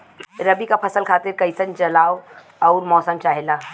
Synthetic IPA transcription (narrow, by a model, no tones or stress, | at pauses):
ɾɐbikapʰɐsəlkʰaːt̪ɪɾkɐɪsənt͡ʃɐlaːo | ɔːɾmɔːsəmt͡ʃaːɦelaː